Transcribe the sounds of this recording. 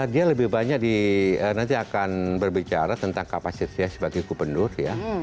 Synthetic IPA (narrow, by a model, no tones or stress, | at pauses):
adialəbɪhbaɲak̚diənant̪iakanbərbit͡ʃaɾat̪ənt̪aŋkapasit̪jasəbaɡajkubəndʊrja